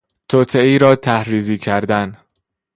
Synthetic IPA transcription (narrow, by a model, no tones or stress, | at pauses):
t̪ʰot̪ʰeiːɾɒːt̪ʰæhɾiːziːcʰæɾd̪æn